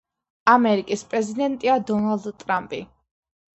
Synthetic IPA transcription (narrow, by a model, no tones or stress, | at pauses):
amɛɾikʼispʼɾɛzid̪ɛnt̪ʼiad̪ɔnald̪t̪ʼɾampʼḭ